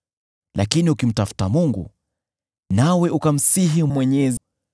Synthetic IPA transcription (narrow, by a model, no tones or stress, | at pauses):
lʔakiniukim̩tafu̥tamuŋɡṵ | nawɛʔukam̩siɦimwɛɲɛz